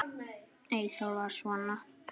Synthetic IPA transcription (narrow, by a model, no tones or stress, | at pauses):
eisolːɑsuɑnːɑ